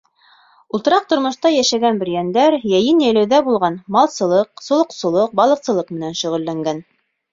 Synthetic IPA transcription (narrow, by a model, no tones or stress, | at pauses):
ulˠt̪ɤ̆ɾɑq̚t̪ŏɾmŏʃt̪ɑjæʃæɡænbɘ̆ɾjænd̪æɾjæjɘnjæjlæwðæbulˠʁɑnmɑlˠsɤ̆lˠɤqsŏlˠŏqsɤ̆lˠɤq̚bɑlˠɤ̆qsɤ̆lˠɤq̚mɘ̆nænʃɵ̆ʁɘ̆lːæŋɡæn